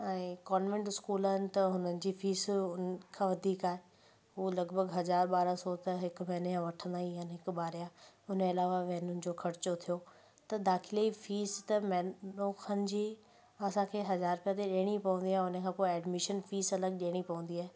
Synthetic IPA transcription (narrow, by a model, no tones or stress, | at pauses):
ɛ̃ːkɔːnʋẽɳʈɪskuːlənɪ̆t̪ɐɦʊnənɪ̆d͡ʑiːfiːsʊnkʰãːʋɐd̪ʱiːkaːɦe | ɦuːlɐɡbʱəɡɦɐzaːɾɓaːɾasɔt̪ɐɦɪkʋɛɦnjãʋɐʈʰə̃nd̪aːɦiɦənɦɪkɓaːɾjaʊneɐlaːʋaʋɛɦnʊnɪ̆d͡ʑoːkʰɐɾɪt͡ɕot̪ʰijo | t̪ɐd̪aːxʰɪleifiːst̪ɐmɛːoːkʰənɪ̆d͡ʑiː | ɐsãkʰeːɦɐzaːɾpijat̪eɗeːɽ̃ipɐʋə̃nd̪iaːɦeʊnəkʰãːpoːiɛːɖmɪʃənfiːsɐləɡ̚ɗeːɽ̃ipɐʋə̃n̆d̪iaːɦe